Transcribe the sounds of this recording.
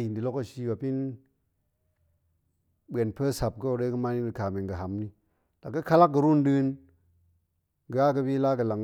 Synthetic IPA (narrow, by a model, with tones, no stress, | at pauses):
ji˨ndi˨lo˦ka˦˨ʃi˧˦ba˨pi˦n | ɓe˨npə˦sa˨p̚ko˦˨ɾe˦kə˦ma˦ni˦də˨ka˨me˨ŋɡə˨ɦa˨mni˧ | la˨kːə˦ka˦la˦k̚ɡə˨ɾu˦˨ndɨ˦n | ɡa˦kə˦bi˦la˦kə˨la˨ŋ